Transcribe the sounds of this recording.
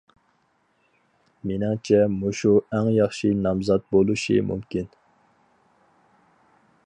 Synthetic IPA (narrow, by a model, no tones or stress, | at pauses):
menɪŋt͡ʃʰɛmuʃuæŋjɑχʃinɑmzɑt̪̚bolˠuʃḭmṵmkʲin